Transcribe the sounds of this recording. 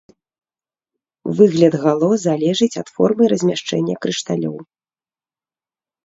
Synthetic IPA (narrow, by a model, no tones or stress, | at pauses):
vɨɣlʲɐd̪ɣalˠɔzalʲɛʐɨt͡sʲɐt̪fɔrmɨɾɐzʲmʲaʂt͡ʂɛ̰nʲːɐkɾɨʂt̪alʲɔ̰w